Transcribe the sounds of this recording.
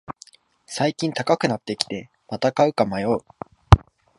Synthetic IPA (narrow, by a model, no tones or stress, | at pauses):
saikʲĩnt̪akakɯ̟nat̪ːe̞kʲi̥t̪e̞ | mat̪akaɯ̟kamajo̞ɯ